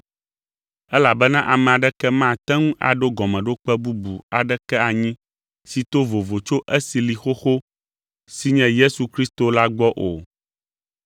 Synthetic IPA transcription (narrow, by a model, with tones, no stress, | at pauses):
ɛ˦la˨bɛ˦nã˦ʔa˨mɛ̃˨a˨ɖɛ˦kɛ˦mã˦˨t̪ɛ˦ŋũ˦ʔa̰˨ɖo˦ɡɔ˨mɛ̃˨ɖo˦k͡pɛ˦bu˦bu˨a˨ɖɛ˦kɛ˦a˨ɲĩ˦ | si˨t̪o˦vo˨vo˨t͡ʃo˦ʔɛ˦si˨li˨xo˦xo˦ | si˦ɲɛ̃˦je˦su˨kɾi˦st̪o˨la˦ɡ͡bɔ˦ʔo˨